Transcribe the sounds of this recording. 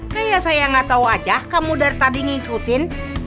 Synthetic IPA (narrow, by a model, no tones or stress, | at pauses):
kajasajaŋat̪auad͡ʒahkamudart̪adiŋiŋkut̪ɪn